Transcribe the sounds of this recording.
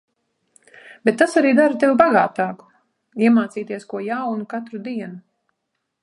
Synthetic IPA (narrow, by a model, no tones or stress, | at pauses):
b̥ɛt̪ːasaɾiːd̪aɾt̪ewbaɡaːt̪aːku̥ | iɛmaːt̪siːt̪iɛskuɔjawnukat̪ɾud̪iɛnu